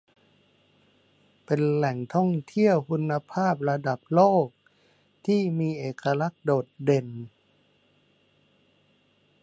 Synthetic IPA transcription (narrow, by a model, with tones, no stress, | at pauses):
pe˧nlɛ˨˩ŋt̪ʰɔ˥˩ŋt̪ʰi˥˩əwku˧˥nːa˧pʰaː˥˩p̚la˧da˨˩p̚loː˥˩k̚ | t̪ʰiː˥˩miː˧ʔeː˨˩kːa˧la˦˥k̚doː˨˩t̪̚de˧˩n